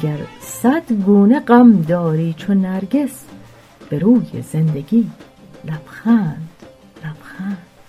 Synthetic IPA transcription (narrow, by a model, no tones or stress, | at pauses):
ɡæɾsæd̪ɡuːneɢæmd̪ɒːɾiːt͡ʃʰonːæɾɡes | b̥eɾuːjḛzend̪eɡiː | læb̥xæːnd̪̥ | læb̥xænd̪̥